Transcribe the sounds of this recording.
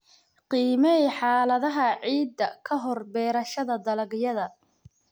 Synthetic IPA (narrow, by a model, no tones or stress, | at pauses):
qiːmɛiħɑːlɐðɐɦɐʕiːd̪ːɐkʰɐɦɔrbɛːɾɐʃɐðɐd̪ɐlɐɡjɐðɐ